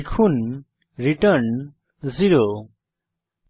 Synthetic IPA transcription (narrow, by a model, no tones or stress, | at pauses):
kʰun | ɾiʈəɾn | ziɾo